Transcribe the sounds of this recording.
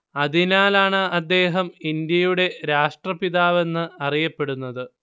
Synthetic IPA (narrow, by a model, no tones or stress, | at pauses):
ɐðinaːlaːɳɨɐd̪ːe̞ːɦɐmind̪jɐjuɽe̞ɾaːʂʈrɐpiðaːʋe̞nːɨɐrijɐpːe̞ɽunːɐðɨ